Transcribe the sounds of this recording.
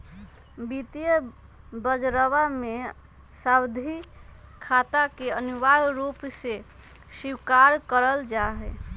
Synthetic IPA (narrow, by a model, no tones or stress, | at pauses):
bit̪ijə | bəd͡ʒɾəwame | sabd̪ʱikʰat̪akeənuʋaɾɾupse | siwkaɾkəɾəld͡ʒaɦɛ